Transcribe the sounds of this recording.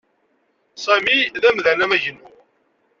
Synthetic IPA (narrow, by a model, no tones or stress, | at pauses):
sæmiðæmðænæmæʝənːu